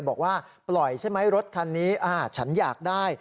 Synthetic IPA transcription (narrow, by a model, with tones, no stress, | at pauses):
jbɔː˨˩k̚waː˥˩ | plɔ˨˩jt͡ɕʰa˥˩jma˦˥jɾo˦˥t̪̚kʰa˧nːiː˦˥ʔaː˧˩t͡ɕʰa˦˥njaː˨˩k̚daː˥˩j